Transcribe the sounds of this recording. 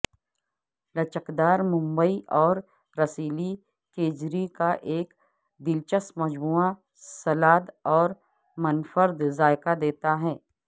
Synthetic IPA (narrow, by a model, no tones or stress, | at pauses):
lɐt͡ʃəkd̪aːɾmʊ̃mbəiʔɔːɾ | ɾɐsiːli | keːd͡ʒɾikaʔeːk | d̪ɪlt͡ʃəsmɐd͡ʒmuːa | sɐlaːd̪ɔːɾ | mɐnfəɾd̪zaːɪkad̪eːt̪aɦɛː